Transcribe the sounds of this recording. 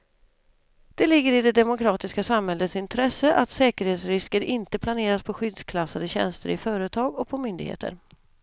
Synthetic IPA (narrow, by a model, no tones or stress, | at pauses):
d̪̥ɛlɪɡːəɾɪd̪ɛd̪ɛmʊkʰɾɑːt̪ɪskasamhɛlːət̪sɪnt̪ʰɾɛsːəʔat̪sɛːkəɾheːt̪sɾɪskəɾɪnt̪əpʰlaneːɾaspʰɔɧʏd̪skʰlasːad̪əɕɛ̰nst̪əɾɪfœːɾət̪ʰɑːɡɔpʰɔmʏnd̪ɪɡhḛːt̪ə̰ɾ